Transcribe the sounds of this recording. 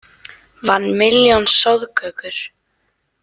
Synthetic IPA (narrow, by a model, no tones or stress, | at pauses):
vanːmɪljɔnsɔwðkʰœːkʏɾ̥